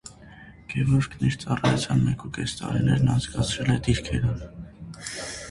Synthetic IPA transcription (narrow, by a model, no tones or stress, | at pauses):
ɡ̥ɛvɔɾkʰniɾt͡sɑrɑjut͡sʰjɑnmɛkukɛst̪ɑ̰ɾinɛɾnɑnt͡skɑt͡sʰɾɛlɛd̪iɾkʰɛɾən